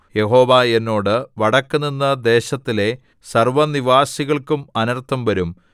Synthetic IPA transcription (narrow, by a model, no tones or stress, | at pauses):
je̞ho̞ːʋaːe̞nːo̞ːɽɨʋɐɽɐkːunːinːɐd̪e̞ːɕɐt̪ːile̞ | sɐrʋɐniʋaːsiɣɐɭkumɐnɐrt̪ːɐmʋɐɾum